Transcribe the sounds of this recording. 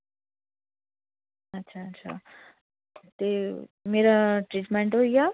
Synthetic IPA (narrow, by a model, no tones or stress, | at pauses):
ɐtːʃʰaːtːsʰa̰ | t̪emeɾaʈɾiʈmeɳʈɦoija